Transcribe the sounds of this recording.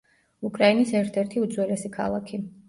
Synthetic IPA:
ukʼɾainisɛɾt̪ʰɛɾt̪ʰiud̪zwɛlɛsikʰa̰lˠakʰi

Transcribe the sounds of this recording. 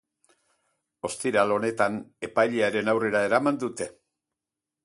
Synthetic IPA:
o̞st̪iɾalo̞ne̞t̪ane̞pajʎeaɾe̞nawre̞ɾae̞ɾamand̪ut̪e̞

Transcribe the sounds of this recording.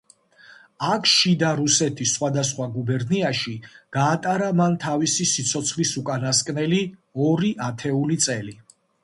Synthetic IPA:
akʰʃid̪aɾusɛt̪ʰisːχwad̪as̬χwaɡubɛɾniaʃiɡ̥aːt̪ʼaɾamant̪ʰavisisit̪sʰɔt̪sʰχlisukʼanaskʼnɛliɔɾiʔat̪ʰɛulit̪sʼɛli

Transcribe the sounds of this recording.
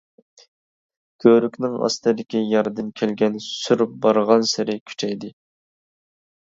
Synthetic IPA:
kʲʰøɾykʲnɪŋɑ̰st̪ɨd̪ɪkʲijɑɾd̪ɨmkʲʰælɡʲɛnsyɾbɑɾʁɑnsɪɾɪkʲʰy̥t͡ʃʰɛjd̪ɪ

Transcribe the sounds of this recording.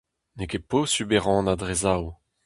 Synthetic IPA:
nekeposybeʁɑ̃nad̪ʁezaw

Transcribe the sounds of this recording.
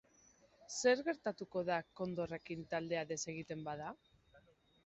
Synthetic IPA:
se̞ɾɣe̞ɾt̪at̪uko̞ðako̞nd̪o̞re̞kint̪ald̪eaðe̞se̞ɣit̪e̞mbaða

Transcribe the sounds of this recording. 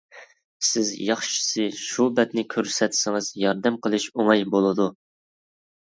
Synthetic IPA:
sɪzjɑχʃi̥sɨʃubɛt̪nɪkʲʰøɾsɛt̪ʰsɪŋɨzjɑɾd̪ɛmqʰəlˠɨʃoŋɑjbolˠɨd̪u

